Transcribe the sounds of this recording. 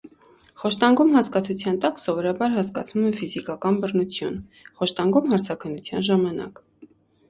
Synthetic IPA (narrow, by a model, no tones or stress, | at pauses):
χɔʃt̪ɑŋɡumɦɑskɑt͡sʰut͡sʰjɑnt̪ɑksɔvɔɾɑbɑɾɦɑskɑ̰t͡sʰnumɛfizikɑkɑnbərnut͡sʰjṵnχɔʃt̪ɑŋɡumɦɑɾt͡sʰɑkʰənːut͡sʰjɑ̰nʒɑmɑnɑ̰k